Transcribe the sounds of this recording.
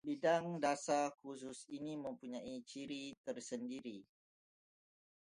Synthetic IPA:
bidaŋdasakus̬ʊsinimə̃mpuɲãit͡ʃiɾit̪ərsəndiɾi

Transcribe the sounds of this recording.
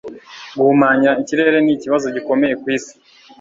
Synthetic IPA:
ɡumaːɲiɾaiɲciɾe̞ɾe̞niciβazo̞ɟiko̞me̞je̞kwiːsi̥

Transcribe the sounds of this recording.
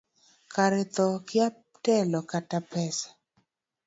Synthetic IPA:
kaɾɛt̪ɔkɪap | tɛlɔkatapɛsḁ

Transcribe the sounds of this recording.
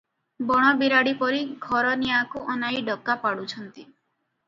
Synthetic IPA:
bɔɽ̃ɔbiɾaɽipɔɾiɡʱɔɾɔniakuʔɔnajɖɔkːapaɽut͡ʃʰɔnt̪i

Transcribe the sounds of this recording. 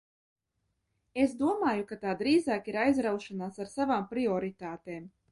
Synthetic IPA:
esd̪uɔmaːjukat̪aːd̪ɾiːzaːkiɾajzɾawʃanaːsaɾsavaːmpɾiɔɾit̪aːt̪eːm

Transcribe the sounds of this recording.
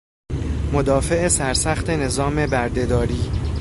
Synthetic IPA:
mod̪ɒːfe̞ʔesæɾsæxt̪ʰe̞ne̞zɒːme̞bæɾd̪e̞d̪ɒːɾiː

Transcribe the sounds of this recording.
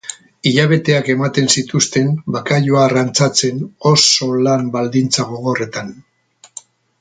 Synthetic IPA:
iʎaβe̞t̪e̞ake̞mat̪e̞nsit̪ust̪e̞mbakajoaːrant͡sat͡se̞no̞so̞lambald̪int͡saɣo̞ɣo̞re̞t̪an

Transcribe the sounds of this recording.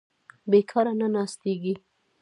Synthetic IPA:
bekʰɑɾananɑst̪eɡi

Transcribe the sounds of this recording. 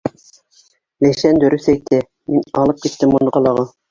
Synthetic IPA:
læʃænd̪ɵ̆ɾɵθæjt̪ɘ | minɑlˠɤp̚kit̪ːɘmunɤqɑlˠɑʁɑ

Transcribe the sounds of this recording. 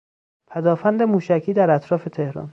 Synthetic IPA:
pʰæd̪ɒːfænd̪emuːʃæcʰiːd̪æɾæt̪ʰɾɒːfe̞t̪ʰe̞hɾɒ̰n

